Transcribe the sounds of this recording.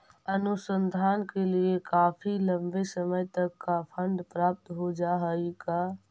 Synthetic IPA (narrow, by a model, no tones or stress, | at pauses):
ənusənd̪ʱaːnkeliekaːpʰiləmbesəməjt̪əkːapʰə̃nd̪pɾap̚t̪ɦod͡ʒaɦəika